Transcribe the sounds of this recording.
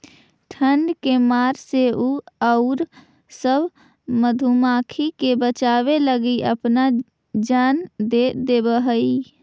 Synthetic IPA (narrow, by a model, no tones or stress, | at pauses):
ʈʰəɳɖkemaːɾseuəʊɾ | səbʱ | məd̪ʱumakʰikebət͡ʃaβeləɡiə̰pna | d͡ʒand̪ed̪ebəɦəi